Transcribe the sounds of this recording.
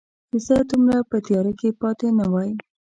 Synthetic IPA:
ɪsad̪umɾapət̪jɑɾakepɑt̪enawɑji

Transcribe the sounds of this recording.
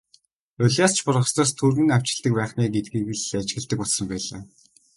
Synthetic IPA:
ʊɮʲaːst͡ɕʰpʊrʁə̆st̪aːst̪ʰuːɾɘ̆naw̥t͡ɕɪ̆ɮt̪ə̆k̚pæːχniːɡet̪̚ɡiːɣɘ̆ɮat͡ɕɡɣɘ̆ɮt̪ɘ̆kʊtsə̆mpæːɮaː

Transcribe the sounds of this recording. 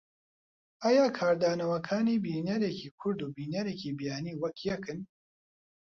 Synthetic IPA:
ʔajaːkʰaːɾd̪aːnɐwɐkʰaːniːbiːnɐɾeːciːkʰʊɾd̪uːbiːnɐɾeːciːbijaːniːwɐkjɛkɨn

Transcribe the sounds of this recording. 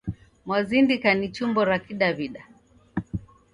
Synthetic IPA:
mwazindikanit͡ʃumbɔɾakiɗaβiɗa

